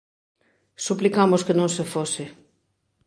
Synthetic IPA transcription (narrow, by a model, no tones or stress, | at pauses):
suplikamʊskenõŋsefosɪ